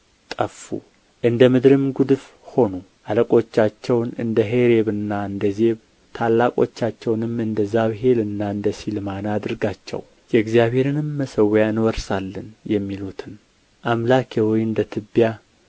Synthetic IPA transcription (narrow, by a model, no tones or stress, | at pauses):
t̪ʼəfːṵ | ʔɨnd̪əmɨd̪ɾɨmɡud̪ɨf | ho̞nu | ʔaləkʼo̞t͡ʃːat͡ʃːɛwnɨ̰nd̪əɦeɾe̞βɨnːaɨnd̪əze̞β | t̪ʰalːakʼo̞̰t͡ʃːat͡ʃːɛwnɨmːɨnd̪əzaβɦe̞lɨnːaɨnd̪əsilmanad̪ɨɾɡat͡ʃːɛ̰w | jɛɨɡzijaβhe̞ɾɨnɨmːəsəwjaɨnwɔɾsalːənjɛmːilut̪ʰɨn | ʔamlakʰewɔjɨnd̪ət̪ʰɨbːja